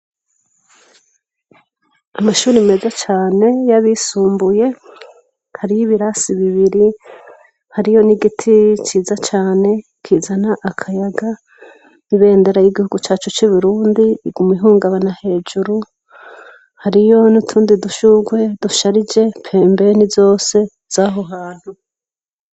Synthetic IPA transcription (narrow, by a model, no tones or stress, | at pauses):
amaʃuːɾime̞zat͡ʃaːne̞jaβisuːmbuje̞ | haɾijiβiɾasiβiβiɾi | haɾijo̞niɡitʰit͡ʃiːzat͡ʃaːne̞ | kʰiːzanaʔakʰajaɡa | niβe̞ːndeɾajiɡihuɡut͡ʃaːt͡ʃut͡ʃiβuɾuːndiːɡumwiɦuːŋɡaβanahe̞ːd͡ʒuɾu | haɾijo̞nutʰuːndiduʃuɡwe̞duʃaɾid͡ʒe̞pʰe̞ːmbe̞nizo̞ːse̞ | z̥aɦo̞ɦaːn̥hu